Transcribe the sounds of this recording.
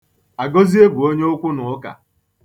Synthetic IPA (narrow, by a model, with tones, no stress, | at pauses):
a˨ɡo˦zi˦e˦ɡʷu˨o˦ɲe˦ʊ˦kʷʊ˦nʊ˨ʊ˦ka̰˨